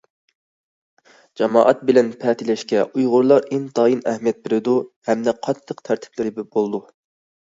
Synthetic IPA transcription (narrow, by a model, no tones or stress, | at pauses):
d͡ʒɑmɑːʔɑt̪̚bɪlɛnpʰɛːt̪ʰɪlɛʃkʲɛʔujʁʊɾlˠɑɾɪnt̪ɑːjinɛhmijɛt̪̚bɪɾɪd̪uhɛmd̪ɛqʰɑt̪ʰːəqt̪ʰæɾt̪ʰɪ̥plɪɾɪbbolˠd̪u